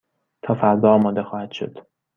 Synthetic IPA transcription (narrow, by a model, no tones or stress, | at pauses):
t̪ʰɒːfæɾd̪ɒːɒːmɒːd̪e̞xɒːhæd̪ʃo̰d̪̥